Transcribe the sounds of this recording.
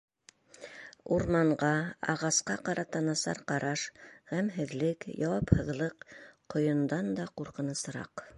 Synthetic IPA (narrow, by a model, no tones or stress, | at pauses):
uɾmɑɴɢɑɑ̰ʁɑsqɑqɑɾʔɑt̪ɑnɑsɑ̰ɾqɑɾɑʃhæmɦɘ̆ðlɘkjɑwɑphɤ̆ðlˠɤqqŏjɤ̆nd̪ɑnd̪ɑquɾqɤ̆nɤ̆s̆ɾɑ̰q